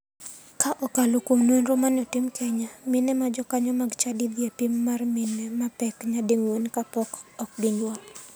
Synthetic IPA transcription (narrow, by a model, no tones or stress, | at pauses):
kaʔɔkalokumnwonɾomanɔtɪmkʰɛɲamɪnɛmad͡ʒɔkaɲɔmaɡt͡ʃadid̪jepimːarmɪnɛmapɛkɲadeŋwonkapɔkɔk̚ɡiɲwɔl